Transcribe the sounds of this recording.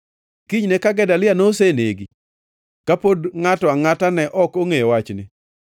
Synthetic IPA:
kiɲnɛkaɡɛdalɪanoseneɡi | kapodŋatɔaŋatanɛʔɔkoŋejwat͡ʃnɪ

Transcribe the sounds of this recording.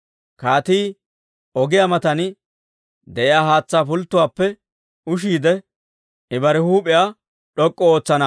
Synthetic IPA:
kaːt̪iː | ɔɡɪjamɐt̪ɐn | d̪ɛʔɪjaːɦaːt͡sːaːpʊlt̪ːʊwaːpːɛ | ʊʃ̬iːd̪ɛ | ɪbɐɾɛhuːpʼɪja | ɗɔkʼːɔoːt͡sːɐnɐ

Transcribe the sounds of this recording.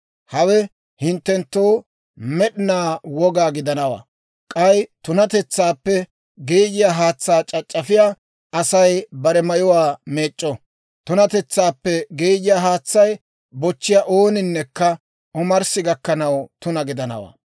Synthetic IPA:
hɐwɛ | hɪnt̪ːɛnt̪ːoː | mɛɗɪnaːwɔɡaːɡɪd̪ɐnɐwa̰ː | kʼɐjt̪ʊnɐt̪ɛt͡sːaːpːɛ | ɡeːd͡ʒɪjaːɦaːt͡sːaːt͡ʃʼɐt͡ʃʼːɐfɪjaː | ɐsɐjbɐɾɛmɐjʊwaːme̞ːt͡ʃʼːɔ | t̪ʊnɐt̪ɛt͡sːaːpːɛɡeːd͡ʒɪjaːɦaːt͡sːɐj | bɔt͡ʃːɪjaʔoːnɪnːɛkːɐ | ʔɔmɐɾsɪɡɐkːɐnɐwt̪ʊnɐɡɪd̪ɐnɐ̰wa̰ː

